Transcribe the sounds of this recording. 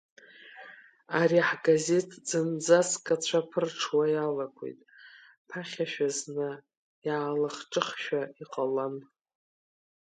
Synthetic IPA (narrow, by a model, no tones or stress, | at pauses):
aɾiħɡaze̞tʰd͡zɨnd͡zaskʼat͡ɕʷʰapʰɨrʈ͡ʂʰwajalakʷʰḛjtʼ | pʰaχʲaʃᶣaznɨ | jaːlaχʈ͡ʂʼɨχʃᶣaiqʼalan